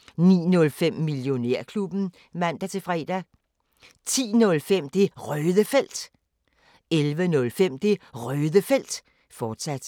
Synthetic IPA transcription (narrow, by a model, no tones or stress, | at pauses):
nḭːnɔ̽lfem̰miljo̝neɐ̰kʰlub̥n̩ | ʋæn̰d̥æt͡sʰe̝fʁɛ̰ːd̥æ | t͡sʰḭːnɔ̽lfem̰d̥e̝ʁœːðˠəfel̰d̥ | elʋənɔ̽lfem̰d̥eʁœːðˠəfel̰d̥ | fɒːd̥sæd̥